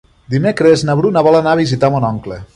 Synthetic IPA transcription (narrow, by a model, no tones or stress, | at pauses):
d̪imekɾeznaβɾunaβɔlanaβizit̪amonɔŋkle